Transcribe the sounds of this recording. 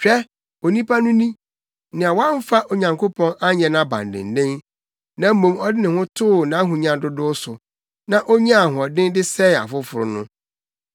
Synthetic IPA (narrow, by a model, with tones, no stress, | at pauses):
t͡ɕᶣɛ˦ | o˨nĩ˦pʰa˦nʊ̃˦nĩ˦ | nɪ̃˨a˨wa˦m̩˦fa˦ʔo˨ɲã˨ŋkʰo˦pʰɔ̃˦na˦ɲɛ̃˨nã˦bã̰˨ndɪ̰̃˨n̩˨dɪ̃˦n | nã˨m̩˦mõ˨mɔ˦dɪ˦nɪ̃˨hʊ̃˦tʰʊː˦˨nã˨˦ɦũ˨ɲã˨dʊ˦dʊ˦sʊ˨ | nã˦ʔo˦ɲã˦a˨ɦʊ̃˨ɔ˨dɪ̃˦ndɪ˦sɛ˦˨a̰˨fʊ˦fʊ˨ɾʊ˨nʊ̰̃˦